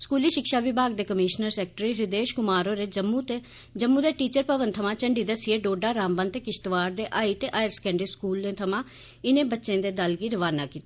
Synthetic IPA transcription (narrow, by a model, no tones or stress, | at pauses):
skuːliːʃɪkʃaːʋɪbʱaːɡd̪eːkəmiːʃnəɾsɛːk̚ʈɾiːɾɪd̪eːʃkʊmaːɾoːɾeːd͡ʒmut̪ː | d͡ʒəmːũːd̪eːʈiːt͡ʃəɾpəʋənt̪ʰəmãːt͡ʃəɳɖiːd̪əsɪeːɖoːɖaːɾaːmbənt̪eːkɪʃt̪ʋaːɾd̪eːʔaːiːt̪eːʔaːjəɾskɛ̃ːɳɖəskuːlnẽːt̪ʰəmãː | ɪnẽːbətːʃẽːd̪eːd̪əlɡiːɾəʋaːnaːkiːt̪ḁ